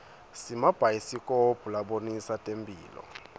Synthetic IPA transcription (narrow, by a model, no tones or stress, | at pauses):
simab̥ʱajisikʼob̥ʱulaɓonisatʼembʱʼiːlɔ̰